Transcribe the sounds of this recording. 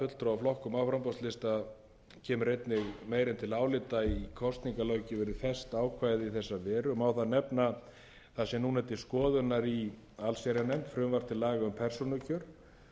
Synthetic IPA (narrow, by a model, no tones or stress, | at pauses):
fʏt̪lt̪ɾaawflɔhkʏmaːwfɾampɔst̪lɪst̪a | cʰɛːmʏɾejt̪nɪɣmeːjɾɪnt̪ʰɪlaːwlɪt̪aikʰɔst̪niŋkalœɥcɪvɛːɾɪðfɛst̪aːwkʰvaːjðiθɛsːavɛːɾʏmawθaðnɛpna | θasɛmnuːnɛt̪ːɪskɔːðʏnːaɾi | alsaɾjanɛmt̪fɾʏmvaɾ̥t̪ɪlaːɣaʏmpʰɛr̥sɔnʏcʰœɾ̥